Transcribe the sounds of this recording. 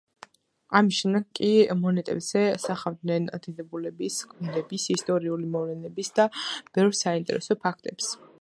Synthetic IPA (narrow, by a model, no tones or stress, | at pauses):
amisʃɛmd̪ɛɡkʼimɔnɛt̪ʼɛ̰bz̥ɛsaχavd̪nɛnd̪̥id̪ɛbulɛbiskʰʼmilɛbisist̪ʼɔɾiulimɔvlɛnɛbisd̪ab̥ɛvɾsaint̪ʼɛ̰ɾɛ̰sɔpʰak̚ʰt̪ʼɛps